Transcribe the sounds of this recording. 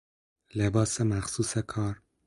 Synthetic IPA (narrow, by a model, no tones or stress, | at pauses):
lebɑːsemæxsusɛkʰɑːɾ